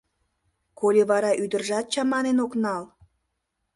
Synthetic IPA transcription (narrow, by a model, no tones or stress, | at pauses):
kolʲeβɑɾɑʔyd̪ərʒɑt̪̚t͡ɕɑmɑnenoknɑl